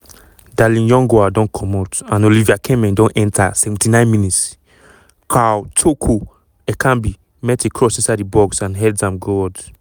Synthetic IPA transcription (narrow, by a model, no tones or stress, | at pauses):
dalĩnjɔ̃ŋɡoadɔ̃nkʰɔ̃matãnoliviakʰɛmɛ̃ndɔ̃nʔɛ̃ntʰasɛvɛ̃ntinãɪ̃nminits | kawtʰokʰo | ɛkʰãmbi | mɛtekʰɹɔsĩsadibɔksãnɦɛddãmɡɔd